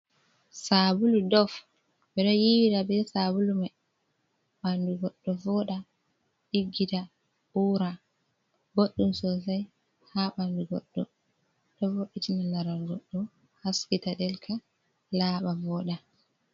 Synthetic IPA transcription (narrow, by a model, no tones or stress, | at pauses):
sabuludɔf | bɛɗɔjiwidabɛsabuluma | ɓanduɡɔɗːɔvɔɗa | ɗiɡːita | ʔuːɾa | ɡoɗːumsɔs̬aj | haɓanduɡɔ̰ɗːɔ̰ | ɗɔvoɗːitinanaɾalɡɔɗːɔ | haskitaɗɛlkʰa | laːɓavɔɗa